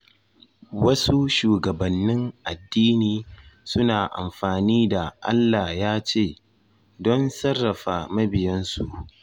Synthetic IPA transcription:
wɐ˦su˦ʃuː˨ɡɐ˨bɐ˨nːɪ˦ŋʔa˨dːiː˦niː˨sʊ˦naː˨ʔa̰˨mɸaː˨niː˦da˨ʔa̰˦lːaː˨jaː˦t͡ʃeː˦˨ | dɔ˦nsɐ˦rːɐ˨ɸaː˨mɐ˦bɪ˨jɛ˦nsu˨ʔ

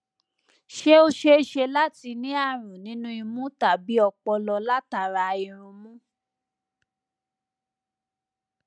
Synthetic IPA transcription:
ʃe˦o˧ʃe˦i˧ʃe˧la˦ti˧nĩ˦a˦˨ɾ̃ũ˨nĩ˨˦nũ˦i˧mũ˦ta˨bi˨˦ɔ˧k͡pɔ˧lɔ˧la˦ta˨ɾa˧i˧ɾ̃ũ˧mũ˦

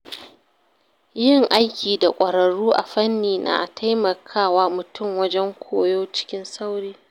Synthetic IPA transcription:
jɪ˦ŋʔa˦jkʲiː˨da˨kʷʼɐ˨ɽɐ˨ɽuː˦ʔa̰˨ɸɐ˦nːiː˨nʔa̰ː˨ʔa˨tʰa˦jmɐ˨kʰaː˦˨waː˦mʊ˨tʊ˦˨mwɐ˦d͡ʒɛ˦ŋkʷʰoː˦joː˦t͡ʃɪ̥˦kʲɪ˦nsa˦wɽiː˦

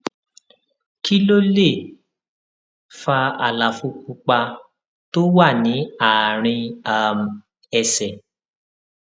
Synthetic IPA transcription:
ki˦lo˦le˦˨ | fa˧a̰˨la˨fu˧ku˧k͡pa˧ | to˦wa˦˨nĩ˨˦a˨ɾ̃ĩ˧a˨m˨ | ɛ˧sɛ˨

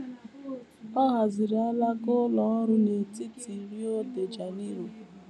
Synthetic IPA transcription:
pa˦ɣa˨zi˨ɾi˨a˦la˦ɡʊ˦lɔ˨ɔ˦ɾʊ˦ne˨ti˦ti˨ɾi˦o˦de˨d͡ʒa˨ni˦u˨

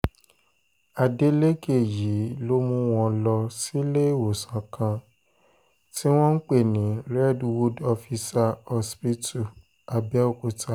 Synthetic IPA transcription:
a˧˨de˦le˦ke˦˨ji˨˦lo˦mũ˧w̃ɔ̃˧lɔ˧si˦le˦˨wo˨sã˨˦kʰã˧ | ti˦w̃ɔ̃˦n̩˦k͡pe˦˨nĩ˨˦ɾɛ˦dwu˦dɔ˧fi˧sa˧ɔ˧spi˦tu˦˨ | a˧bɛ˦o˦˨ku˨ta˦

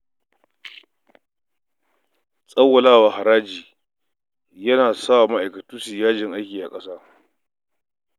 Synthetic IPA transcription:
sʼɐ˦wːɐ˨laː˦waː˨ha˨ɾaː˦d͡ʒiː˨ | jɐ˦naː˨saː˦wa˨ma˦ʔa˨jkɐ˨tuː˦si˨jaː˦d͡ʒɪ˨ŋʔa˦jkʲiː˨ʔa̰˨kʼɐ˦saː˦

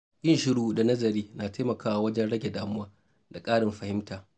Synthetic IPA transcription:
ʔʲʼɪ˦nʃɪ˦ɽuː˦da˨nɐ˦zɐ˨ɾiː˦naː˨ta˦jmɐ˨kaː˦wa˨wɐ˦d͡ʒɛ˦nɽɐ˦ɡʲe˨daː˦mʊ˦waː˦ | da˨kʼaː˦ɽɪ˨mɸɐ˨hɪ˦mtaː˨

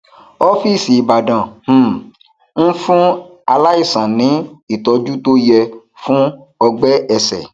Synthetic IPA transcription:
ɔ˦fi˦˨si˨ba˨dã˨m̩̃˦˨ | n̩˦fũ˦a˧la˦i˦˨sã˨nĩ˨˦i˦˨tɔ˨˧d͡ʒu˦to˦jɛ˧ | fũ˦ | ɔ˧ɡ͡bɛ˦ɛ˧sɛ̰˨

